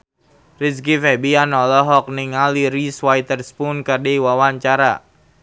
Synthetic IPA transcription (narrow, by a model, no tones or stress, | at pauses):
riskifɛbianɔlɔɦɔk̚niŋaliɾiswajt̪ərspunkardɛwawaɲt͡ʃaɾa̰